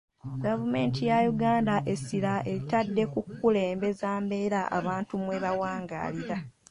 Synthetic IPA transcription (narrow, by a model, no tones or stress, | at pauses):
ɡavume̞ːntijajuɡaːndaʔe̞silaʔe̞litadːe̞kukːule̞ːmbe̞zaːmbe̞ːɾaʔa̰βaːntumweβawaːŋɡa̰ːliɾa